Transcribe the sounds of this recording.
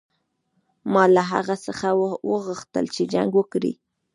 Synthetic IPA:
mɑlaɦa̰ɣasəxawəɣəxt̪ə̰lt͡ʃed͡ʒa̰ŋɡwəkɾḭ

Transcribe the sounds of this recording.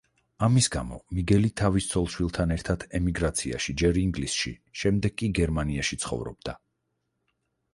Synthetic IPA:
amisɡa̰mɔ̰miɡɛlit̪ʰavist̪sʰɔlˠʃwilˠt̪ʰanɛɾt̪ʰad̪ʰɛmiɡɾat̪sʰia̰ʃid͡ʒɛɾiŋɡlisʃḭʃɛmd̪ɛɡkʼiɡɛɾmaniaʃit̪sʰχɔ̰vɾɔ̰b̚d̪a

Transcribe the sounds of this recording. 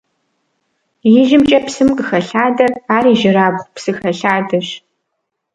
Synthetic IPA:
jɪʒɪmt͡ʃʼɐpsɨmqəxɐɬaːdɐraːriːʒɪɾaːbʁʷpsɨxɐɬaːdɐɕ

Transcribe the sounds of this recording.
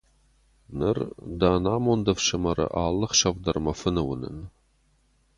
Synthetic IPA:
nɨrd̪aːnaːmond̪ɐfʃɐmɐɾɐ̰ʔaːlˠːəχʃɐvd̪ɐrmɐfɨnɨwə̰nɨ̰n

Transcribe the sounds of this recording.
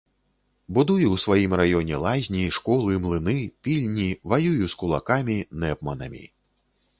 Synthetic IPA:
bud̪ujuwsʋajimrajɔnʲɛlˠazʲnʲiʂkɔlˠɨmlˠɨnɨpʲilʲnʲivajujuskulˠa̰kamʲinɛpmɐnɐ̰mʲḭ

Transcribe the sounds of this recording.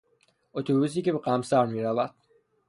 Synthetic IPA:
ot̪ʰobus̬iːcebeɢæmsæɾmiːɾævæd̪̥

